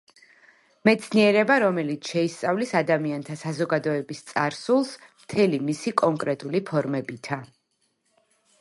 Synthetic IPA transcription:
mɛt̪sʰniɛɾɛbaɾɔmɛlit̪sʰʃɛist̪sʼavlisad̪amiant̪ʰasazɔɡad̪ɔɛbist̪sʼaɾsulˠsmt̪ʰɛlimisikʼɔŋkʼɾɛt̪ʼulipʰɔɾmɛbit̪ʰa

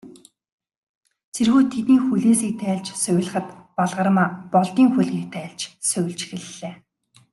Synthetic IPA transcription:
t͡sʰerxuːt̪ʰet̪niːŋxuɮeːsiːk̚t̪ʰæːɮt͡ɕsœw̆ʲɮə̆χə̆t̪paɮʁə̆r̆maːpɔɮt̪iːŋxuɮɣiːk̚t̪ʰæːɮt͡ɕsʊwʲɪ̆ɮt͡ɕxĕɮːeː

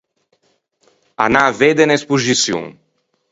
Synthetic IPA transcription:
a̰naved̪enespuʒisjṵŋ

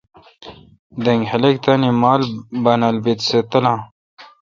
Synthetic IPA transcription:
d̪eŋɡhelekt̪animaːlbɐnɐlbit̪set̪ɐlã

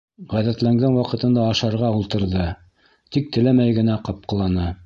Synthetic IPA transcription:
ʁæðæt̪læŋɡænwɑqɤ̆t̪ɤ̆nd̪ɑːʃɑɾʁɑulˠt̪ɤ̆ɾðɤ | t̪ik̚t̪ɘ̆læmæjɡɘ̆næqɑp̚qɤ̆lˠɑnɤ

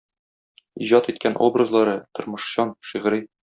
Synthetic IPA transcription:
iʑɑt̪it̪̚kænʔo̰brɤzlˠɑɾɤt̪ŏɾmɤ̆ʃɕɑnʃiʁɾi

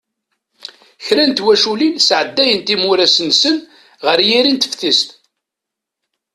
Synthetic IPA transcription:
çɾænt̪wæʃulinsʕəd̪ːæjənt̪imʊɾæsənsən | ʁəɾjiɾint̪əfθist̪

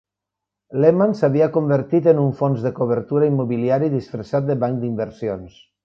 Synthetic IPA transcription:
lemansaβiakombeɾt̪it̪enuɱfonzðekoβ̞əɾt̪uɾaimːoβiliaɾiðisfɾasat̪̚d̪eβaŋkd̪imbəɾsions

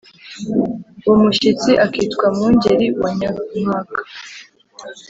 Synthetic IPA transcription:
umuʃit͡siʔakiːtkwamuːɲɟe̞ɾiwaɲamŋaːkḁ

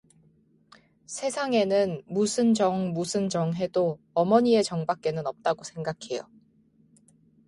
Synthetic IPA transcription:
sʰe̞sʰaŋe̞nɯnmusʰɯnd͡ʑʌŋmusʰɯnd͡ʑʌŋɦe̞do | ʌmʌɲie̞t͡ɕʌŋbak̚k͈e̞nɯnʌp̚t͈aɡosʰe̞ŋɡakʰe̞jo̰

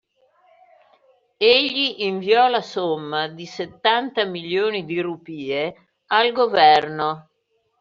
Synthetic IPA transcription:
eʎːiʔiɱviɔlasomːad̪iset̪ːant̪amiljoːnid̪irupiːe | alɡovɛrno

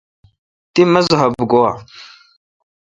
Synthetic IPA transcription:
timəzɦabɡowa

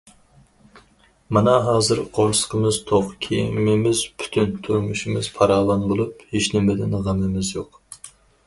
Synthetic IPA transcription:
mɑnɑɦɑːzɨɾqʰoɾsə̥qʰəmɨzt̪ʰoqkʲʰejmɪmɪz̥pʰy̥t̪ʰynt̪ʰuɾmuʃimɪz̥pʰɑɾɑːlˠɑɴʁəlˠupheʃnɪmɪd̪ɪnʁəmɨmɪzjoq

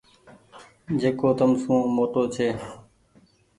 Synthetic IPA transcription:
d͡ʒeːkoːt̪əmsũːmoːʈ̪oːt͡ʃʰeː

